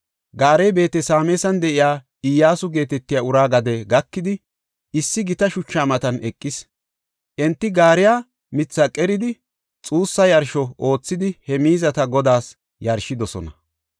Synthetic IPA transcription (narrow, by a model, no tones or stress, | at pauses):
ɡaːɾejbe̞ːt̪ɛsaːmeːsɐnd̪ɛʔɪjaː | ɪjaːsʊɡe̞ːt̪ɛt̪ːɪjaʊɾaːɡɐd̪ɛɡɐkːɪd̪ɪ | ɪsːɪɡɪt̪ɐʃʊt͡ʃːaːmɐt̪ɐnɛkʼːɪs | ʔɛnt̪ːɪɡaːɾɪjaː | mɪt͡sːɐkʼɛɾɪd̪ɪ | t͡sʼuːsːɐjɐɾʃɔʔo̞ːt͡sːɪd̪ɪhɛmiːzɐt̪ɐɡɔd̪aːs | jɐɾʃɪd̪ɔsɔ̰nɐ